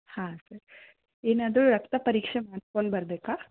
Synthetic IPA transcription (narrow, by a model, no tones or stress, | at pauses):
hãːsɐɾ | eːnaːd̪ɾuɾɐkt̪ɐpɐɾiːkʂemaːɽskoɳɖbɐɾbeːkaː